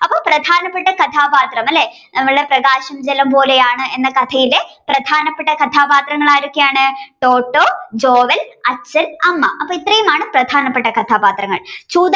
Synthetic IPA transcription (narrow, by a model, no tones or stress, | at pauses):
ɐpːoːprɐd̪ʱaːnɐpːe̞ʈːɐkɐt̪ʰaːbaːt̪rɐmɐlːe | nɐmːɐɭɨɽe̞prɐɡaːɕɐmd͡ʑelɐmpo̞ːle̞jaːɳɨʔenːɐkɐt̪ʰɐjileprɐd̪ʱaːnɐpːeʈːɐkɐt̪ʰaːbaːt̪rɐŋːɐɭaːjiɾokːejaːɳɨʈoːʈːoːd͡ʑoːʋɐlɐt͡ɕːɐlɐmːɐ̰ʔɐpːoːit̪rɐjumaːɳɨprɐd̪ʱaːnɐpːeʈːɐkɐt̪ʰaːbaːt̪rɐŋːɐ̰ɭt͡ɕuːd̪